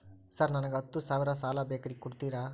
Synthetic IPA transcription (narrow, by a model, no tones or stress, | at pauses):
sɐɾnɐnɐɡɐt̪ːusaːʋiɾɐsaːlaːbeːkɐɾikːkuɽt̪iːɾaː